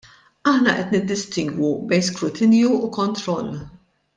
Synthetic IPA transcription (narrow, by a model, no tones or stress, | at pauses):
ɐħnɐʔɛt̪nɪd̪ːɪst̪ɪŋɡwubɛjnskɾʊt̪ʰɪnjuukɔnt̪ɾɔlː